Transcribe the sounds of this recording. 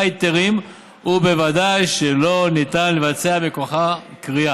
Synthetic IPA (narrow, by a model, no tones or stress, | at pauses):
it̪eʁim | hube̞vadajʃelo̞nit̪anle̞vat͡se̞abekoχakʁia